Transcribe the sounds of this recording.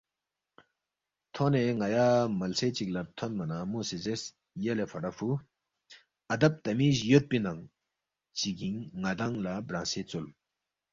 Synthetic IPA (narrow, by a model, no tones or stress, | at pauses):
t̪ʰɔʔneːŋajamalsʰeːt͡ɕik̚lat̪ʰɔnmanamosezes | jalepʰaɾafʰu | ʔad̪ap̚t̪amiːɕjøt̪̚pinaŋ | t͡ɕikiŋːad̪aŋlabɾaseːt͡sol